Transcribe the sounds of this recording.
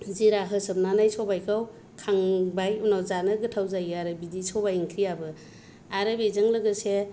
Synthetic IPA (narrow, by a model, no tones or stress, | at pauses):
ziɾaɦɯsɯb̚nanajsɔbajkʰaw | kʰaŋbajunawzanɯɡɯtʰawzajɯaɾɯbidisʰɔbajŋkʰɾijabɯ | aɾɯbizɯŋlɯɡɯse